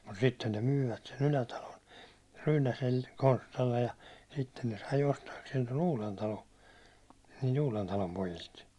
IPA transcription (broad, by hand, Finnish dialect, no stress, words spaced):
mut sitːen ne myːʋæt sen ylætɑlon ryːnæsel konstɑlːej jɑ sitːen ne sɑi ostɑːkseːn ton uːlentɑlon̞ niːlt uːlentɑlom pojilt